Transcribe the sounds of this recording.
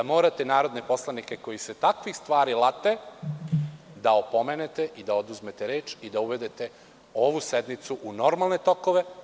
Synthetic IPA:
d̪amo̞ːɾat̪e̞naːɾod̪ne̞po̞slˠanike̞ko̞jise̞t̪akʋixst̪ʋaːɾilˠat̪e̞ | d̪aopo̞mene̞t̪eʔid̪aod̪uzme̞t̪eɾe̞ːt͡ʃid̪auʋe̞d̪e̞t̪e̞ | o̞ʋuse̞d̪nit̪suʔuno̞ɾmalˠne̞t̪o̞koʋe̞

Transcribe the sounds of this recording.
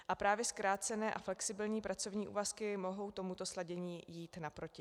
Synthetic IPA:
ʔapɾaːvjɛskɾaːt͡sɛnɛːʔaflɛksɪbɪlɲiːpɾʔat͡so̞vɲiːʔṵːvaskɪmo̞ɦo̞wt̪o̞mut̪o̞slaɟɛɲiːjiːt̪napɾo̞cɪ

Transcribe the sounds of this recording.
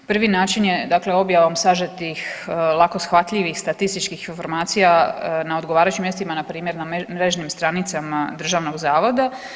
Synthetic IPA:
pr̩ʋinaːt͡ʃinjed̪akleo̞bjaʋomsaʒet̪ixlˠakosxʋat̪ʎʲiʋixst̪at̪ist̪it͡ʃkixinfo̞ɾmaːt̪sijanaod̪ɡoʋaːɾat͡ɕimjest̪imanapɾiːmje̞ɾnamɾeʒnimst̪ɾanit̪samad̪r̩ʒaːʋno̞ɡzaːʋo̞d̪a

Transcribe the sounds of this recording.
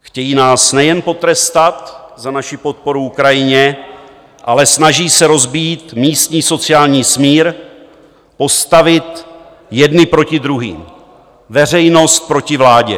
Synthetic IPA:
xcɛjiːnaːsnɛjɛnpo̞t̪ɾɛst̪at̪zanaʃɪpo̞t̪̚po̞ɾuukɾajɪɲɛ | ʔalɛsnaʒiːsɛɾo̞zbiːt̪miːst̪ɲiːso̞t͡sɪjaːlɲiːsmiːɾ | po̞st̪avɪt̪ | jɛdnɪpɾo̞cɪd̪ɾuɦḭːm | vɛr̝ɛjno̞st̪̚pɾo̞cɪvlaːɟɛ̰

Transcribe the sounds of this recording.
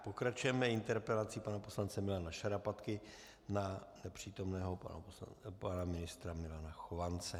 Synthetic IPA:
po̞kɾat͡ʃujɛmɛɪnt̪ɛɾpɛlat͡sipanapo̞slant͡sɛmɪlanaʃaɾapat̪kɪ | nanɛpr̝̥iːt̪o̞mnɛːɦo̞̰ | panamɪnɪst̪ɾamɪlanaxovant͡sɛ

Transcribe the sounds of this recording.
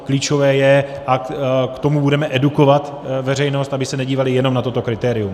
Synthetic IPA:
kliːt͡ʃo̞vɛːjɛʔakt̪o̞mubudɛmɛʔɛduko̞vat̪ | vɛrɛjno̞st̪abɪsɛnɛɟiːvalɪjɛno̞mnat̪ot̪o̞kɾɪt̪ɛːɾɪjum

